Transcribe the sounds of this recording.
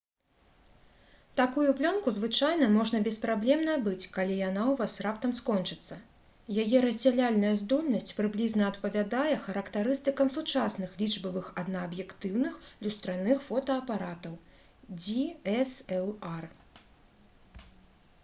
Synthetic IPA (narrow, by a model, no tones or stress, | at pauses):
t̪akujuplʲɔnkuzvɨt͡ʂajnɐmɔʐnɐbʲɛspɾablʲɛmnɐjɐbɨt͡sʲkalʲijanawvasrapt̪ɐmskɔnt͡ʂɨt̪sːɐ | jajɛɾɐzʲd͡zʲalʲalʲnɐjɐzd̪ɔlʲnɐsʲt͡sʲpɾɨblʲiznɐɐt̪pɐvʲad̪ajɛxɐɾɐkt̪aɾɨst̪ɨkɐmsut͡ʂasnɨxlʲiʐbɐvɨxɐd̪nɐːbjɛkt̪ɨwnɨxlʲust̪ɾanɨxfɔt̪ɐɐpaɾat̪ɐw | d͡zʲiɛsɛlˠar